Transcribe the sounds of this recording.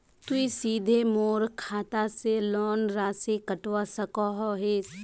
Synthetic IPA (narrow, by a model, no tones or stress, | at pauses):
t̪uisiːd̪ʱemoːɾkʰaːt̪aselɔːnɾaːsekəʈwasɐkɔɦɔɦeːs